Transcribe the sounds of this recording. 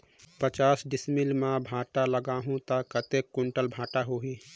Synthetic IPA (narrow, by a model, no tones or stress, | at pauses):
pət͡ʃaːsɖismilmãbʱaːʈaləɡaːɦũt̪əkət̪ekːʊɳʈəlbʱaːʈaɦoɦĩ